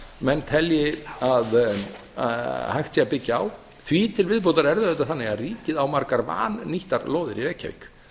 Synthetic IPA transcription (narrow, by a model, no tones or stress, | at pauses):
mɛnːt̪ʰɛljɪað | hajxt̪siapɪcːaaw | θviːt̪ʰɪlvɪðp̬owt̪aɾɛɾðʏθɛht̪ːaθanːɪɣariːcɪðawmaɾkaɾva̰ːnːiht̪aɾloːwðɪɾiɾɛcːa̰vɪ̰k